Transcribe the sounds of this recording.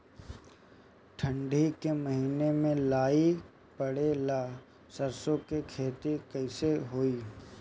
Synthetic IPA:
ʈʰə̃ɳɖʱikemɐɦiːnemẽlaːi | pɐɽelaː | səɾsõkekʰeːt̪ikɐɪseɦoːiː

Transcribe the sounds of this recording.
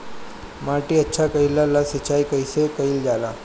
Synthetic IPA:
maʈiːətːɕʰakəilalasət͡ʃaikəjsekəild͡ʒala

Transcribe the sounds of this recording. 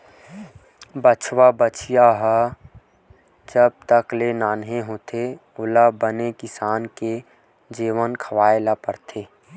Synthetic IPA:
bət͡ʃʰwabət͡ʃijaɦə | d͡ʒəb̚t̪əklenaːnɦeɦoːt̪ʰe | ʊlabənekɪsaːnke | d͡ʒiːʋənkʰəʋaːelapəɾt̪ʰeː

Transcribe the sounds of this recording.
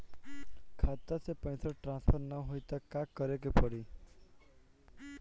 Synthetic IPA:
kʰat̪asepɔ̃j̃sʰɔɾʈɾãnspʰɔɾnɔɦojt̪akakːɔɾekepɔɽi

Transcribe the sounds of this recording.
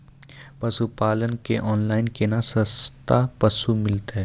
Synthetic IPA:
pɐsupaːlənkeʔɔːnlaːɪnkenasɐst̪apɐsumɪlt̪aɦɛː

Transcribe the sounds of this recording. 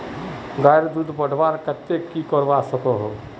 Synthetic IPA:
ɡaːjɾd̪ud̪bəɽ̤ʱʋaːɾkət̪ːekikɔɾʋasəkoɦo

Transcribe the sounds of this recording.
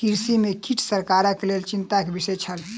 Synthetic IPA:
kiɾsimekiʈʰsəɾkaɾəkelelt͡ʃint̪akebisət͡ʃʰəl

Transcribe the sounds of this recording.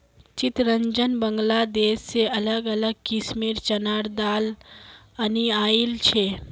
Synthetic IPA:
t͡ʃɪt̪ɾəɲd͡ʒənbəŋɡlad̪eːsːeɐləɡələɡkismeːɾt͡ʃənaːɽd̪aːl | əniaːilt͡ʃʰe

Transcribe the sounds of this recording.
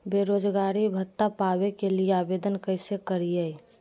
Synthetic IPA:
beːɾoːd͡ʒɡaːɾibʱət̪ːapaːwekelieaːbeːd̪ənkəɪsekəɾije

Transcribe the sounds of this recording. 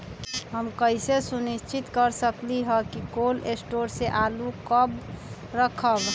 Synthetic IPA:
ɦəmkəisesunist͡ʃʰit̪kəɾsəkliɦəkikolesʈoɾseʔalukəb | ɾəkʰəb

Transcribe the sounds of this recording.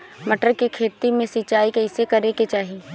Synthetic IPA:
mɐʈəɾkekʰeːt̪imẽsɪt͡ʃaːikɐɪsekɐɾeket͡ʃaːɦieː

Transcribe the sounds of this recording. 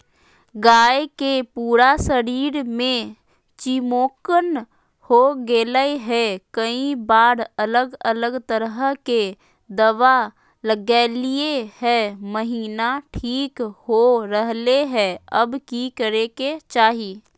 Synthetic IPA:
ɡaːekepuːɾasəɾiːɾmẽ | t͡ʃimoːkən | hoɡeːləeɦɛkəĩbaːɾələɡələɡt̪əɾɦke | d̪əʋa | ləɡɛːlieɦɛməɦiːnaʈʰiːkhoɾəɦleɦɛɐbkikəɾeket͡ʃaːɦiː

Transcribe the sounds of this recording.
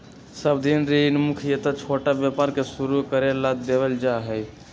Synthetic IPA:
səb̚d̪inɾinmukʰjət̪at͡ʃʰoʈabjapaɾkesuɾukəɾelad̪d̪eʋəld͡ʒaɦɛj

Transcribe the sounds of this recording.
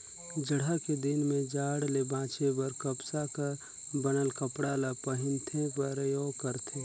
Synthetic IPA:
d͡ʒəɽ̤aked̪ɪnmẽd͡ʒaːɽlebãːt͡ʃebəɾkəbsakaɾ | bənəlkəpɽaːlapəɦɪnt̪ʰẽpəɾjoːkəɾt̪ʰe

